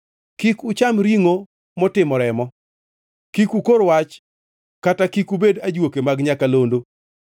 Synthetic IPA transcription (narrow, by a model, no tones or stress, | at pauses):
kikʊt͡ʃamɾiŋo | mɔtɪmɔɾɛmɔ | kikukoɾwat͡ʃ | katakikubedad͡ʒwokemaɡɲakalondo